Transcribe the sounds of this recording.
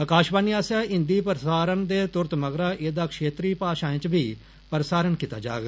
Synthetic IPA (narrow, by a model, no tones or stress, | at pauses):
əkaːʃbaːniːaːsjaːɪ̃nd̪iːpəɾsaːɾənd̪eːt̪ʊɾt̪məɡɾaːʔeːd̪aːkʃeːt̪ɾiːpaːʃãːẽːt͡ʃbiː | pəɾsaːɾənkiːt̪a̰ːd͡ʒa̰ːɡː